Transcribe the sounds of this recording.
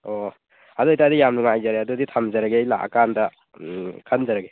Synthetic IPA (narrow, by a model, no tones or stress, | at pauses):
o | aduitadijamnuŋajzaɾeaduditʰamzaɾaɡejla̰ʔa̰kandɐ | kʰanzaɾɐɡe